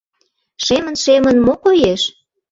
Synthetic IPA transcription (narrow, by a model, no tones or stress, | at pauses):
ʃemə̆nʃemənmokojeʃ